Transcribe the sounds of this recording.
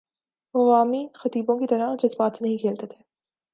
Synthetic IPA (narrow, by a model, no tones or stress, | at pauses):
ɐʋaːmixɐt̪iːbõkit̪ɐɾad͡ʒɐzbaːt̪nɐɦĩkʰeːlt̪et̪ʰeː